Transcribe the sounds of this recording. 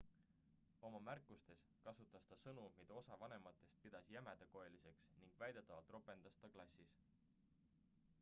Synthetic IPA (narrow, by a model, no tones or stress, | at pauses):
o̞mɑmærkːˑust̪e̞s | kɑsut̪ːˑɑst̪ɑsɤnumid̪̥ɑo̞sɑvɑne̞mɑt̪ːˑe̞st̪̚pid̪̥ɑsjæmed̪̥eko̞elise̞ksniŋɡ̥væjd̪et̪ːˑɑvɑlt̪ˑro̞pe̞nd̪̥ɑst̪ɑklɑsʲis